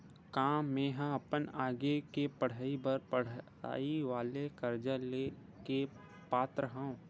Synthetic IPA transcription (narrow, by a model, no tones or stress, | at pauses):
kãːmẽːɦãɐpənaːɡekepɐɽ̤aːibəɾpəɽ̤ | a̰ːiʋaːlekɐɾd͡ʒəle | ke | paːt̪ɾəɦə̃ũ